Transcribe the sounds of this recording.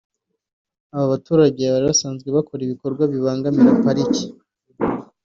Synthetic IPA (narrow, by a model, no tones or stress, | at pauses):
aβaβatuːɾaɟeβaɾiβasaːnzɡwe̞βako̞ɾiβiko̞ɾɡwaβiβaːŋɡamiɾapaɾici̥